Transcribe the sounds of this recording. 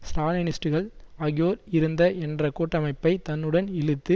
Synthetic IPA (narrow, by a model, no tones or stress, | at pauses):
sɾaːlɐnɪsʈɯɣɐɭɐɣɪjoːɾɪɾɯnd̪ɐʔɛndrɐkuːʈːɐmɐɪpːɐɪt̪ɐnːɯɽɐnɪlɯt̪ːɯ